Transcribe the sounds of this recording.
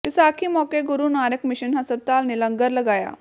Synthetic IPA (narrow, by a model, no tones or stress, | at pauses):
pisakʰiːmɔkeɡuɾuːnaɾəkmiɕənɦəsəɾ̚t̪alniləŋɡəɾləɡaja̰